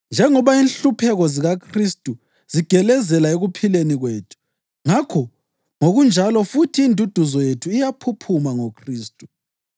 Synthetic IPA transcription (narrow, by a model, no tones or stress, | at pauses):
nd͡ʒʱɛŋɔβainɬupʰɛɣɔziɣakʰristʼu | z̥iɡ̥ʱɛlɛzɛlaeɣupʰileniɣweːtʰu̥ | ŋakʰɔ | ŋoɣund͡ʒʱalɔfutʰiːndʱud̥ʱuzɔjetʰuijapʰupʰumaŋokʰriːstʼu